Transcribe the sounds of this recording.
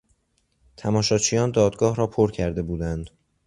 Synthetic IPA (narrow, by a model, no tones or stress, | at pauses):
t̪ʰæmɒːʃɒːt͡ʃʰijɒːnd̪ɒːd̪ɡɒːhɾɒːpʰoɾcʰæɾd̪e̞buːd̪ænd̪